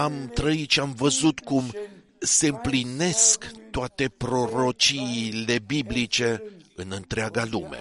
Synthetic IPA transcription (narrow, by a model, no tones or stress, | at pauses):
amt̪ɾəit̪ʃiamvəzut̪kum | se̞ɨmpline̞skt̪oat̪e̞pɾo̞ɾo̞t͡ʃiːle̞biblit͡ʃe̞ɨnɨnt̪ɾeaɡalume̞̰